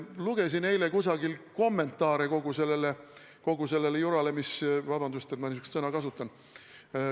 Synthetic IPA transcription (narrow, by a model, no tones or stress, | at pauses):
luɡ̥e̞sinne̞jlekusɑɡilko̞mːe̞nt̪ːˑɑːɾeko̞ɡ̥use̞lːe̞le | ko̞ɡ̥use̞lːe̞lejuɾɑlemisvɑb̥ɑnd̪ust̪et̪mɑnisykst̪sɤnɑkɑsut̪ːˑɑn